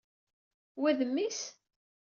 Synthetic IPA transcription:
wæðəmːis

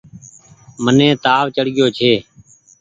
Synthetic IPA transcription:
mənẽːt̪aːʋt͡ʃəɽɠɪjoːt͡ʃʰeː

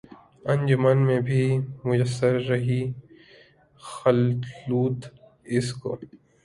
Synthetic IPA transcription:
ɐ̃nʲd͡ʒʊmaːnmẽbʱimʊd͡ʒəsːəɾːɐɦi | xɐlluːt̪ | ɪsko̰ː

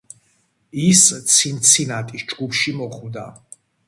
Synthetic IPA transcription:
ist̪sʰint̪sʰinat̪ʼisd͡ʒɡupʰʃimɔχwd̪a

